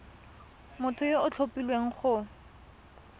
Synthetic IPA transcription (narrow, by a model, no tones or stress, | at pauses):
mʊtʰʊjeʊt͡ɬʰopilweŋ̩χʊ